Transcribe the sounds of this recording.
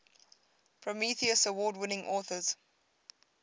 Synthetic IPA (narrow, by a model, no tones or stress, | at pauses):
pʰɹəmiθiəsəwɔːdwɪnɪ̃ŋʔɔːθəz̥